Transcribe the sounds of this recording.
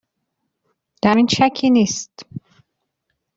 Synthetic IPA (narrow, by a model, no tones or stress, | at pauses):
d̪̥æɾinʃækʰiːniːst̪